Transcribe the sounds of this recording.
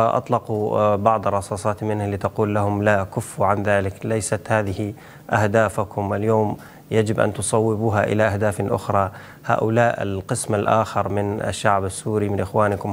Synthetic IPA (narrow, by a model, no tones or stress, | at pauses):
aʔɑ̰t̪ˤlɑqubɑʕd̪ˤrˤɑsˤɑːsˤɑːt̪mɪnhaliːt̪aquːlːahʊmlakʊfːuʕanðaːlɪklajsat̪haːðɪhi | ʔahd̪aːfakʰʊmɪljoːm | jad͡ʒɪbʔa̰nt̪ʊsˤɑwːɪbuːɦaʔɪ̰laʔahd̪aːflʔʊ̰xɾˤɑː | ha̰ːʔʊlaːʔɪ̰lqɨsmalʔa̰ːxɪɾˤmɪna̰ʃːaʕbasːuːɾimɪnʔɪxwaːnɪkʊm